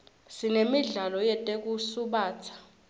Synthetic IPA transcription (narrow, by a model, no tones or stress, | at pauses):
sinemiɮalɔjɛtʼek̬ʼusuɓaːt͡sʰḁ